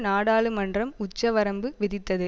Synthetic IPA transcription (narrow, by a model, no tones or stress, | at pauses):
naːɽaːɭɯmɐndrɐmʊt͡ʃːɐʋɐɾɐmbɯʋɪðɪt̪ːɐðɯ